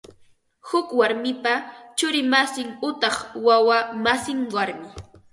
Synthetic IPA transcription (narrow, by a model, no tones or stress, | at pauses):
hʊkwaɾmɪpat͡ʃʊɾɪmasɪŋʊt̪ɑχwawamasɪŋwaɾmɪ